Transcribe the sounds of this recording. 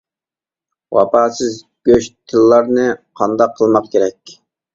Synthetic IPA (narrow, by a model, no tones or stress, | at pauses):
wɑ̰pɑːsɪz | ɡʲøʃt̪ʰɨlːɑɾnɨqʰɑnd̪ɑqʰːəlˠmɑqkʲʰeɾɛkʲ